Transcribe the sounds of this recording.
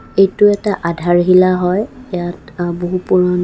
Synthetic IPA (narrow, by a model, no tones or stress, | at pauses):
ejtʊɛtaʔadʱaɹɦilaɦɔjjatboɦupuɹɔn